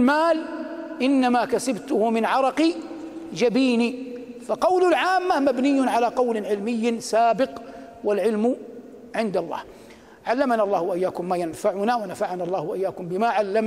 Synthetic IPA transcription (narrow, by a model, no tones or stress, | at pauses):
maːlʔɪnːamakasabt̪ʊhʊmɪnʕɑɾˤɑqi | d͡ʒabiːni | faqɑwlʊlʕaːmːahmabnɪjːʊnʕalaːqɑwlɪʕɪlmɪjːsaːbɪq | walʕɪlm | ʕɪnd̪alˤːɑ̰ːh | ʕalːamanaʔɑlːˤɑːhwaʔɪjːaːkʊmːaːjanfaʕʊnawanafaʕanaɑlˤːɑːhwaʔɪjːaːkʊmbɪmaʕalːam